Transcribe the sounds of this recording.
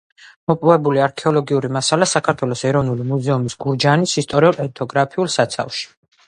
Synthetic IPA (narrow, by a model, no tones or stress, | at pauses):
mɔpʼɔvɛbuliaɾkʰɛɔlɔɡiuɾimasalasakʰaɾt̪ʰwɛlˠɔsɛɾɔvnulimuzɛumisɡ̥uɾd͡ʒanisist̪ʼɔɾiulɛt̪ʰɔɡɾapʰiulˠsat̪sʰa̰fʃi̥